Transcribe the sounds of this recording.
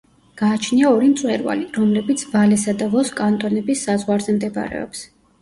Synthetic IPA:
ɡ̥aːt͡ʃʰniaɔɾimt̪sʼwɛɾva̰liɾɔmlɛbit̪sʰvalɛsad̪avɔskʼant̪ʼɔnɛbisːazʁwaɾzɛmd̪ɛb̰ɾɛ̰ɔ̰ps

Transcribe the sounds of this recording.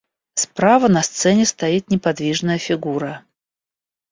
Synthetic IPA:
spɾavənɐst̪sɛnʲɪst̪ɐit̪nʲɪpɐd̪vʲiʐnəjəfʲɪɡuɾə

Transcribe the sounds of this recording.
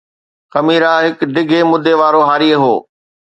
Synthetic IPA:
xɐmiːɾaɦɪkɖɪɡʱemʊd̪ʱeʋaːɾoɦaːɾieɦoː

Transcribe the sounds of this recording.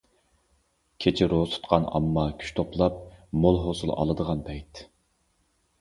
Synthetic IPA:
kʲʰet͡ʃʰɪɾosʰu̥t̪qʰɑnɑ̰mːɑkʲʰy̥ʃt̪ʰoplˠɑp̚molˠɦosulˠɑ̰lˠəd̪əʁɑnpʰɛjt̪

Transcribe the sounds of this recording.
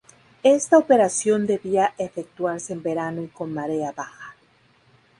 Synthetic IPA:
e̞st̪aope̞ɾasjo̞nd̪e̞βiaʔefek̚t̪waɾseːmbe̞ɾanoiko̞nmaɾeaβaxḁ

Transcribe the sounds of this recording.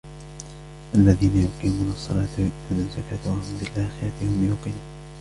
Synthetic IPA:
ʔalːaðiːnajʊqiːmuːnɑsˤːɑ̰lɑːt̪awɪʔd̪uːnazːakaːt̪wahʊmbɪlʔaːxɪɾat̪ɪhʊmjʊqiːnu

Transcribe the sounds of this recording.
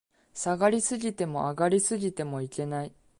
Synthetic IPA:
saɡaɾʲisɨɡʲit̪e̞mo̞̰ʔaɡaɾʲisɨɡʲit̪e̞mo̞ike̞nai

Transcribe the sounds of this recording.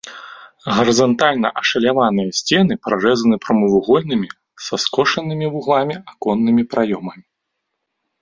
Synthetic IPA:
ɣɐɾɨzɐnt̪alʲnɐ̰ʔɐʂɐlʲavanɨjɐsʲt͡sʲɛn̪ɨpɾaʐɛzɐnɨpɾɐmɨvuɣɔlʲnɨmʲi | sɐskɔʂɐnɨmʲivuɣlˠamʲiakɔnːɨmʲipɾajɔmɐmʲi

